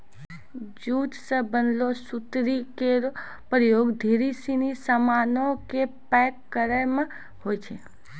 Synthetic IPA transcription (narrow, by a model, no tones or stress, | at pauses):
d͡ʒuːt̪səbənlosut̪ɾikeɾ | pɾəjoːɡd̪ʱiɾisinisəmanõkepɛkːəɾəm | ɦojt͡ʃʰe